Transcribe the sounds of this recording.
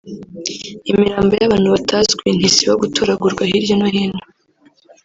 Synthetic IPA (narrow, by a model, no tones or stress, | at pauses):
imiɾaːmbojaβaːn̥huβatʰazɡwin̥hisiβoɡutʰoɾaɡuɾɡwahiɾɟonohiːno̥